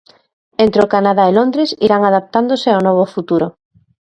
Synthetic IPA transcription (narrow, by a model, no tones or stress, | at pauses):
ent̪ɾeokanaðaelond̪ɾesḭɾaŋaðap̚t̪and̪oseawnɔβ̞ofut̪uɾo